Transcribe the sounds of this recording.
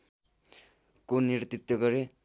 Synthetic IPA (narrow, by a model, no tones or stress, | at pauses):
konirt̪it̪ːʌɡʌɾe